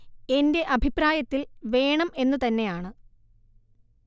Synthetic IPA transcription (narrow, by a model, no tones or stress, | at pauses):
e̞nde̞ʔɐbʱipːɾaːjɐt̪ːilʋe̞ːɳɐme̞nːɨt̪ɐnːe̞jaːɳɨ